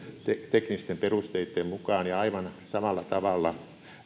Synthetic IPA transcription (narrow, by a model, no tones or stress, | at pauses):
t̪et̪eknist̪emperust̪eit̪ːemmukɑːnjɑɑiʋɑnsɑmɑlːˑɑt̪ɑʋɑlːɑ